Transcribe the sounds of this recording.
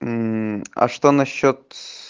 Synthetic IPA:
ɐ̰ʂt̪onɐɕːot̪̚

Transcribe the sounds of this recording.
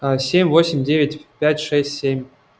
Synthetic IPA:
sʲemʲvosʲɪmʲdʲevʲɪtʲpʲætʲʂɛsʲtʲsʲemʲ

